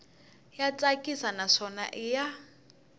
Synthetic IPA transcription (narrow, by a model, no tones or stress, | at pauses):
jat͡sʼakʼisanaʂɔna̰ʔɪja